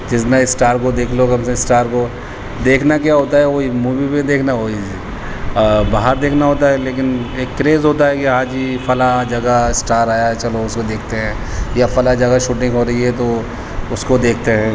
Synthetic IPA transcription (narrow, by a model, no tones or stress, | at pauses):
d͡ʒɪsnaɪsʈaːɾkod̪eːkʰlokɐmsesʈaːɾko | d̪eːkʰnakjaːɦoːt̪aɦɛʋoimuːʋipẽd̪eːkʰnaɦoːid͡ʒɛ | baːɦəɾd̪eːkʰnaɦoːt̪aɦɛleːkɪneːkːɾeːzɦoːt̪aɦɛkiɦãːd͡ʒifɐlad͡ʒɐɡaɪsʈaːɾaːjaɦɛt͡ʃɐloʊskod̪eːk̚ʰt̪eɦɛ̃ː | jafɐlad͡ʒɐɡaʃuːʈɪ̃ŋɡɦoːɾɐɦiɦɛt̪o | ʊskod̪eːk̚ʰt̪eɦɛ̃ː